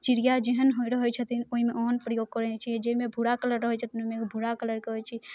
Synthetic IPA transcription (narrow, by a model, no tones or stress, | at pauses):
t͡ʃiɾijad͡ʒeɦənɦoiɾəɦɛt͡ʃʰət̪inoɦimeʔoɦənpɾəjoɡ̚kəɾɛnt͡ʃʰid͡ʒeimebʱuɽakələɾːəɦət͡ʃʰət̪inoimekbʱuɽakələɾkəɦɛt͡ʃʰi